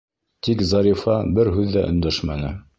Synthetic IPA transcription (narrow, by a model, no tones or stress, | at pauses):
t̪ikzɑɾifɑbɘɾɦʉðːæʔɵ̆nd̪æʃmænɘ̰